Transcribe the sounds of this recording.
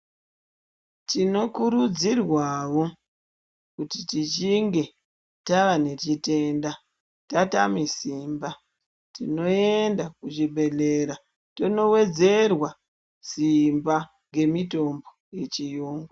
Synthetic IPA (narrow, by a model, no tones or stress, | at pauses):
tino̞kuɾud͡zirwawo̞ | kutitit͡ʃiŋɡe̞ | taʋane̞t͡ʃite̞nda | tatamisimba | tino̞endakuʐiɓe̞ɮe̞ɾa | tono̞we̞d͡ze̞rwa | simba | ŋɡe̞mito̞mbo̞ | je̞t͡ʃijoːŋɡa